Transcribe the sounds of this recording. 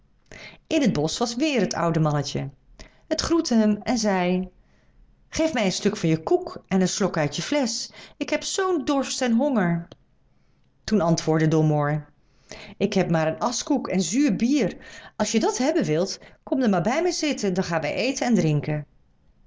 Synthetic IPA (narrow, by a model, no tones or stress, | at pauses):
ʔɪnɦəd̚bɔsʋɑsʋɪːrɦətʌ̰wdəmɑnəcə | ətχrutəɦəmɛnzɛj | χejfmɛjənstɵkfɑnjəkukɛnənslokœɥtjəflɛsɪkɦɛpsowndɔɹstɛnɦɔŋəɹ | tunɑntʋʊːɹdədomoɹ | ʔɪkɦɛp̚maːɾənɑskukʰɛnzyːɹbiːrɑlˠsjədɑtɦɛbənʋɪlˠtkɔmdəmaːɹbɛjmɛjzɪtəndɑnχaːnʋɛ̰jʔejtənɛndrɪŋkən